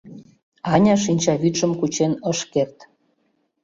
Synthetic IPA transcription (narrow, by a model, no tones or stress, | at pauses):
ɑnʲɑʃ̬inʲt͡ɕɑβyt̪ʃə̆mkut͡ɕenəʃkert̪